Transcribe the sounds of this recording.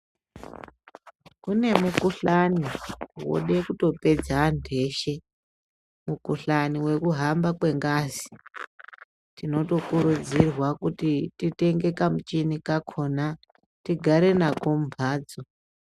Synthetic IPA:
kune̞mukuɬaniwo̰ɗe̞kuto̞pe̞d͡zandʱe̞ʃe | mukuɬaniwe̞kuɦambakwe̞ŋɡaːzi̥ | tino̞to̞kuɾud͡zirwakutitite̞ŋɡe̞kamut͡ʃinikakʰo̞na | tiɡʱaɾe̞nakomubʱaːd͡zo

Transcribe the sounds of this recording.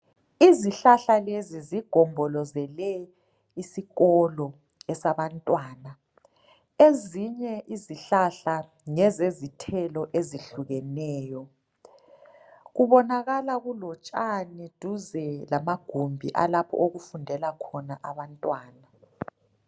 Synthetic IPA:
iziɬaɬaleziziɡ̥ʱɔmbʱɔlɔzɛlɛ | isiɣɔlɔ | ɛsaβantʼwaːna | eziɲɛʔiziɬaɬa | ŋɛzezitʰɛlɔʔeziɬuɣɛnɛːjɔ | ɣuβɔnaɣalaɣulɔt͡ʃʼanid̥ʱuzɛlamaɡ̥ʱombʱḭʔa̰lapʰɔ̰ʔoɣufundʱɛlakʰɔnaʔaβantʼwaːna

